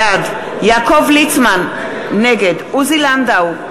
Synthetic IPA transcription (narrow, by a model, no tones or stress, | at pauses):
ad̪ | jakovlitmanː | ɛɡɛd̪uziland̪aw